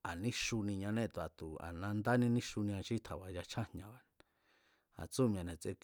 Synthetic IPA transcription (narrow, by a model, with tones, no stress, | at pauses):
a˨nĩ˦ʃu˧nĩ˧ɲã˧nẽ˦˨t̪u˨a˨t̪u˨a̰˨nã˧nd̪a˦nĩ˧nĩ˦ʃu˧nĩ˧ã˧ʃi˦t̪ʰa˨βa˨ja˧t͡ʃʰa˦hɲã˧βa˨ | a̰˨t͡su˦˨m̃˧ã˧nẽ˨t͡se˧k